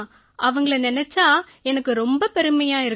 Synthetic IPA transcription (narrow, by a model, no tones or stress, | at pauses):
ʔɐʋɐŋɡɐɭɐnɪnɛt͡ʃːaː | ɛnɐkːɯɾɔmbɐpɛɾɯmɐjaːɪɾɯ